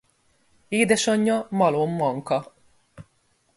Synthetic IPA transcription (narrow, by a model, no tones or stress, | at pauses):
eːd̪ɛʃɒɲːɒmɒloːmːɒŋkɒ